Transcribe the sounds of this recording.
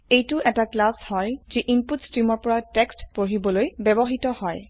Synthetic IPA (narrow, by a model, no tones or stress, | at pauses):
ejtʊʔɛtaklashɔjziʔinputstɹimɔɹpɔɹatɛkstpoɹibɔlojbɛbɔɦitɔhɔj